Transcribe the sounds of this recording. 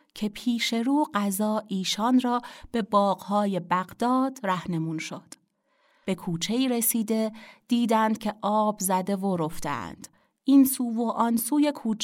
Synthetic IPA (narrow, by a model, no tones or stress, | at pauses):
cʰe̞pʰiːʃe̞ɾuːɢæzɒːʔiːʃɒːnrɒːb̥e̞bɒːɢhɒːje̞bæɣd̪ɒːd̪̥ræhne̞muːnʃod̪̥ | b̥e̞kʰuːt͡ʃʰe̞iːɾesiːd̪e̞d̪̥iːd̪ænd̪̥̚cʲʰe̞ʔɒːbzæd̪e̞voɾoft̪ḛæ̰nd̪̥ | ʔinsuːvoʔɒnsuːje̞kʰuːt͡ʃʰ